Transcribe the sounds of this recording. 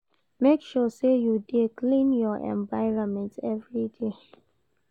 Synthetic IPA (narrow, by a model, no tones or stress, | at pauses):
mekʃɔsejudeklĩnjɔʔɛ̰̃ɱvaɪɹɔ̃nmɛ̃ntɛvɹide